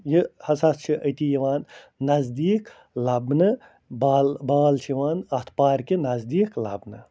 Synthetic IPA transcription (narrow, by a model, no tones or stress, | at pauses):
jihɐsɐst͡ʃʰiʔɐt̪iːjiʋaːnː | ɐzd̪iːk | lɐbnɨ | baːlbaːlt͡ʃʰiʋaːnɐht̪ʰpaːɾkinɐzd̪iːklɐ̰bnɨ